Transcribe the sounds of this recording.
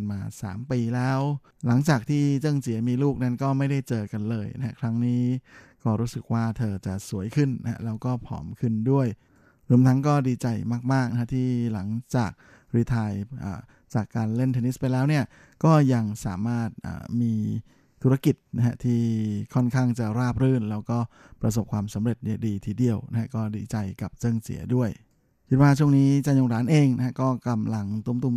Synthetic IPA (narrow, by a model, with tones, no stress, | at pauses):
nmaː˧sa̰ː˩˦mpiː˧lɛː˦˥w | la˩˦ŋt͡ɕaː˨˩k̚t̪ʰiː˥˩t͡ɕɤ˥˩ŋsi˨˩˦ɐmiː˧luː˥˩k̚na˦˥nkɔː˥˩ma˥˩jda˥˩jt͡ɕɤː˧ka˧nlɤː˧jna̰˧˥ha˦˥kʰɾa˦˥ŋniː˦˥kɔː˥˩ɾuː˦˥sɯ˨˩k̚waː˥˩t̪ʰɤː˧t͡ɕa˨˩su˩˦əjkʰɯ˥˩nːa˦˥a̰˦˥lɛː˦˥wkɔː˥˩pʰɔ̰ː˩˦mkʰɯ˥˩ndu˥˩əj | ɾu˧˩˦əmt̪ʰa˦˥ŋkɔː˥˩diː˧t͡ɕa˧jmaː˥˩k̚maː˥˩k̚na˦˥a˥t̪ʰiː˥˩la˨˩˦ŋt͡ɕaː˨˩k̚ | ɾiː˧t̪ʰaː˧jʔa̰ː˨˩ | t͡ɕaː˨˩kːaː˧nle˥˩nt̪ʰe˧ni˦˥spa˧jlɛː˦˥wni˥˩ɐ | kɔː˥˩ja˧ŋsa̰ː˩˦maː˥˩t̪̚ʔa̰ː˨˩miː˧ | t̪ʰu˦˥ɾa˧ki˨˩t̪̚na˦˥kʰa˦˥t̪ʰiː˥˩kʰɔ˥˩nkʰaː˥˩ŋt͡ɕa˨˩ɾaː˥˩p̚ɾɯː˥˩nlɛː˦˥wkɔː˥˩ | pɾa˧s̬o˨˩p̚kʰwaː˧msa˩˦mɾe˨˩t̪̚ni˥˩ədiː˧t̪ʰiː˧˩di˨˧əwna˦˥kʰa˦˥kɔː˥˩diː˧t͡ɕa˧jka˨˩p̚t͡ɕɤ˥˩ŋsḭ˩˦ɐdu˥˩əj | kʰi˦˥t̪̚waː˥˩t͡ɕʰu˥˩ə˨ŋniː˦˥t͡ɕaː˧jnoː˧ŋɾaː˨˩˦nʔeː˧ŋna˥kʰa˥kɔː˥˩ka˧mla˧ŋt̪u˧˥˦mt̪u˧m